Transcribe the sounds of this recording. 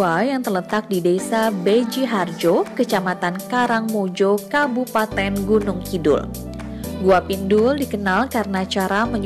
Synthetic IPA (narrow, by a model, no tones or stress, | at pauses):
ajaŋt̪ərlət̪ak̚didesabed͡ʒiɦard͡ʒokət͡ʃamat̪ankaɾaŋmod͡ʒokabupat̪ɛnɡunʊŋkidʊ̰l | ɡuapindʊldikənalkaɾənat͡ʃaɾaməɲ